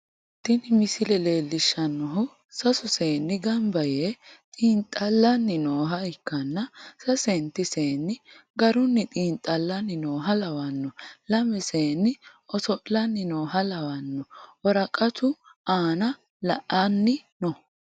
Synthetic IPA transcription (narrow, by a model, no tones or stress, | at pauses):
t̪ːɪnɪmɪsɪlɛle̞ːlːɪʃːɐnːɔɦʊ | sɐsʊseːnːɪɡɐmbɐjet̪ʼiːnt̪ʼːɐlːɐnːɪnoːɦɐɪkːɐnːɐsɐsɛnt̪ːɪseːnːɪɡɐɾʊnːɪt̪ʼiːnt̪ʼːɐlːɐnːɪnoːɦɐlɐwɐnːɔlɐmɛseːnːɪ | ɔsɔʔlɐnːɪnoːɦɐlɐwɐnːɔwɔɾɐkʼɐt̪ʰʊʔaːnɐ | lɐʔɐnːɪnɔ